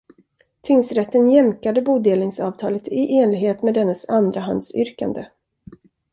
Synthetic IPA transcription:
t̪ʰɪŋsɾɛt̪ːənjɛmkad̪əbuːd̪eːlnɪŋsɑːvt̪ʰɑːlət̪ɪʔeːnlɪɡɦheːt̪mɛːd̪ɛnːəsand̪ɾaɦa̰nd̪sʏ̰ɾka̰nd̪ə̰

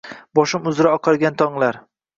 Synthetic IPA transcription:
bɒʃɪmʊzɾaɒqʰɑɾˠɡʲant̪ʰɒŋlˠaɾ

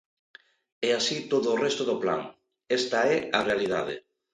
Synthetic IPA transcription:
ɛasit̪oðoːrɛst̪oðopla̰ŋ | ɛst̪aɛarealið̞að̞ḛ

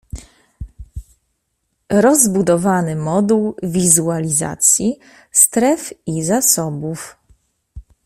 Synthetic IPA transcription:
ɾɔzbud̪ɔvanɘmɔd̪uwvʲizualʲiza̰t̪sʲji | st̪ɾɛfizasɔbuf

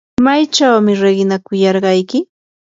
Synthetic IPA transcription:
majt͡ʃawmɪɾeɢɪnakʊjɑɾɢɑjkɪ

